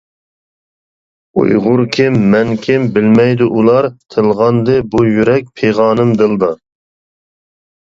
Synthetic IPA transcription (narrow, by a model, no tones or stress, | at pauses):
ṵjʁʊɾkʲʰimːɛnkʲʰɪmbɪlmɛjd̪uʔulˠɑɾt̪ʰɨlˠʁɑnd̪ɨbujyɾɛk̚ʲpʰeʁɑːnɨmd̪ɨlˠd̪ɑ